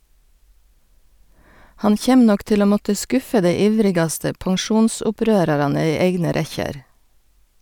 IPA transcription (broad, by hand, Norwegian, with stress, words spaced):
ˈhɑn ˈçeːm ˈnɔk ˈtɪl ˈoː ˈmɔtə ˈskʊfə ˈdeɪ ˈiːʋɾɪɡɑstə pɑŋˈʃuːnsʊˌpɾøːɾɑɾɑnə ˈiː ˈeɪɡnə ˈɾɛçəɾ